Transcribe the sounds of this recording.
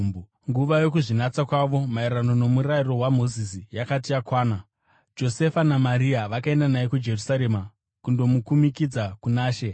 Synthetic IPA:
ŋɡuʋajo̞kuʐinat͡sakwaʋo̞maiɾano̞no̞muɾajiro̞ɦwamo̞zisijakatijakwaːna | d͡ʒo̞se̞fanamaɾiaʋakae̞ndanaekud͡ʒe̞rusaɾe̞ma | kundo̞mukumikid͡zakunaːʃe̞

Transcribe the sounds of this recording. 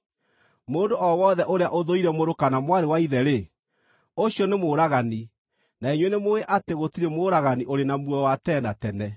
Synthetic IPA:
moːndoɔwɔðɛʔoɾeaʔoðoiɾɛmoɾokanamwaɾewaiðɛɾe | oɕjɔnemoːɾaɣani | naeɲwenemoeʔateɣotiɾemoːɾaɣaniʔoɾenamwɔwatɛːndatɛnɛ

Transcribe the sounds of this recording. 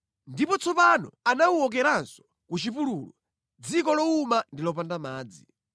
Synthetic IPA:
ndipɔt͡sʰɔpanɔ̰anauɔk̬ɛɾansɔ̥ | kut͡ʃipuluːlɔ | d͡zikɔlɔumandilɔpandamaːd͡zi

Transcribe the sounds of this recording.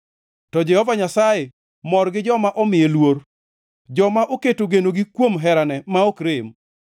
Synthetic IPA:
tɔd͡ʒɛhɔvaɲasaje | mɔrɡɪd͡ʒɔmaʔɔmɪjelwor | d͡ʒɔmaʔoketoɡenoɡikwomɦɛɾanɛmaokɾɪm

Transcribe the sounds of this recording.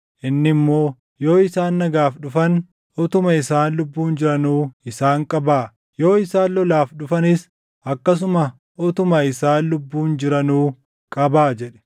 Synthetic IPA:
ʔɪnːɪmːo̞ː | jo̞ːɪsaːnːɐɡaːfᶑʊfɐn | ɔt̪ʊmɐɪsaːnlʊbːuːnd͡ʒɪɾɐnuːɪsaːŋkʼɐbaː | jo̞ːɪsaːnlɔlaːfɗʊfɐnɪs | ɐkːɐs̬ʊmɐ | ʔɔt̪ʊmɐɪsaːnlʊbːuːnd͡ʒɪɾɐnuː | kʼɐbaːd͡ʒɛᶑɛ̥

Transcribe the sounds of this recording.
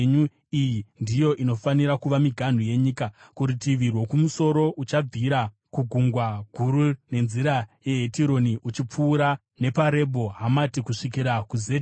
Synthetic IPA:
ɲu | ijindijo̞ʔino̞faniɾakuʋamiɡʱan̤uje̞ɲiːkakuɾitiʋirwo̞kumuso̞ɾo̞ʔut͡ʃab͡viɾa | kuɡʱuŋɡwaɡʱuɾune̞nziɾaje̞ɦetiɾo̞niʔut͡ʃip͡fuːɾa | ne̞paɾe̞bʱo̞ɦamatikuʂik̬iɾakuzet

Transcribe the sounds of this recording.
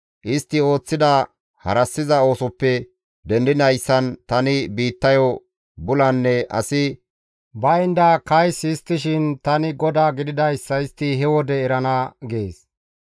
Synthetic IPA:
ʔɪst̪ːɪo̞ːt͡sːɪd̪ɐ | hɐ̰ɾɐsːɪzɐo̞ːsʊpːɛ | d̪ɛnd̪ɪnɐjsːɐnt̪ɐnɪbiːt̪ːɐjɔ | bʊlɐnːɛʔɐ̰sɪ | bɐɪnd̪ɐkɐjsɪst̪ːɪʃ̬ɪnt̪ɐnɪɡɔd̪aːɡɪd̪ɪd̪ɐjsːɐɪst̪ːɪɦɛwɔd̪ɛːɾɐnɐɡeːs

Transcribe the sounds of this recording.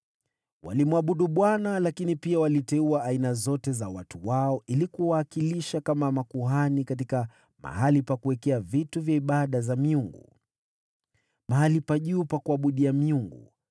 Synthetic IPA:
wa̰limwaɓuɗuɓwanalakinipiawalitɛuaːinazɔtɛzawatuwaɔʔilikuwaːkiliʃakamamakuɦanikat̬ika | ma̰halipakuwɛkɛavituvjaiɓaɗazamiuŋɡṵ | maɦalipaʄuːpakuaɓuɗiamiuŋɡṵ

